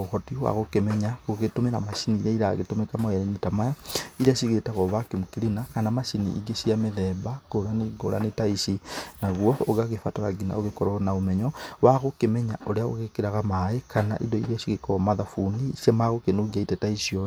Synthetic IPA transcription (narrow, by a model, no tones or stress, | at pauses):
oxɔtiwa̰ɣokemɛɲaɣoɣetomeɾa̰maʃiniɾaiɾaɣetomekamaɛɾɛnetamaaiɾiaʃiɣetaɣɔβakemukilinakanamaʃinḭḭɡeʃiameðɛbaɡolaneɡo̰la̰netaisinaɣwɔoɣaɣefataɾaɡina̰oɣekɔɾɔnaomɛɲɔwaɣokemɛɲaʔoɾeao̰ɣekeɾaɣamaekʰana̰ʔḭdɔḭɾiaʃiɣekɔmaðafuniʃemaɣokenoɣiaitɛtaisiɔ